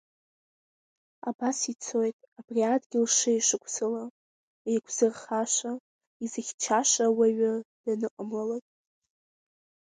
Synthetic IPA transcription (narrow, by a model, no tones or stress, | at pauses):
a̰basit͡sʰo̞jtʼabriadʰʼɡʲɪlʂɨiʂɨkʷʰsɨla | ejkʷʰz̥ɨrχaʃʷa | izɨχʲt͡ʃʰaʃʷawaɥad̥anɨqʼəmlalatʼ